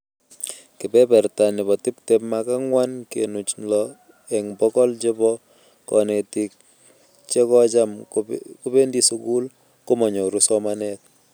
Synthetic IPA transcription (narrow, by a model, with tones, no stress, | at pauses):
ki˨pɛ˦pɛ˨rta˨nɪ˨bɔ˨ti˦ptepmaka˦ŋwa˦nkḛnu˨t͡ʃlɔ | ɛ˨ŋbɔ˦kɔ˦lt͡ʃe˦bɔ˦ | kɔ̰ne˨ti˨k̚ | t͡ʃe˦kɔ˦t͡ʃa˦mku˦pe˦ndi˦su˦ku˦l | ko˦mɔ˨ɲo˨ɾusɔmanɛt̚